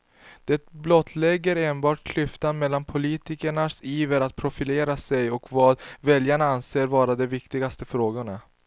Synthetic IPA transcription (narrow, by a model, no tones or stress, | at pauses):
d̪̥ɛt̪blɔt̪ʰːlɛɡːəɾeːnbɑːʈ̚kʰlʏft̪anmɛlːanpʰʊliːt̪ɪkəɳasiːvəɾat̪̚pʰɾʊfɪleːɾasɛjɔkvɑːd̪vɛljaɳaanseːɾvɑːɾad̪ɛvɪkt̪ɪɡast̪əfɾoːɡʊɳa